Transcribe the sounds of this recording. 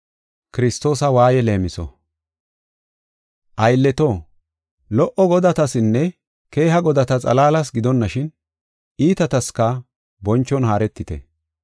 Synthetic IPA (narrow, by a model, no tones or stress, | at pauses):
kɪɾɪst̪o̞ːsɐwaːjɛle̞ːmɪsɔ̰ | ʔɐjlːɛt̪o | lɔʔɔɡɔd̪ɐt̪ɐsɪnːɛ | ke̞ːɦɐɡɔd̪ɐt̪ɐt͡sʼɐ̰laːlɐs̬ɡɪd̪ɔnːɐʃɪn | iːt̪ɐt̪ɐskɐ | bɔnt͡ʃːɔnɦaːɾɛt̪ːɪt̪ɛ̰